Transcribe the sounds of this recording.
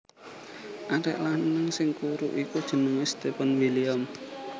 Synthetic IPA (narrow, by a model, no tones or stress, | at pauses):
ʔaɾɛ̰ʔlahnnəŋsɪŋkuɾuʔikud̥ʒ̥ə̤nəŋest̪epənwiliam